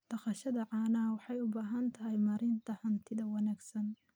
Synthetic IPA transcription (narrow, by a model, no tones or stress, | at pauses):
d̪̥ɐqɑʃɐðɐʕɑːnɐɐwɑħɑjʊbaːɦɐnt̪ʰɐɦɛjmɐɾɪnt̪ʰɐhɐnt̪ʰɪðɐwɑnaːɡsɐn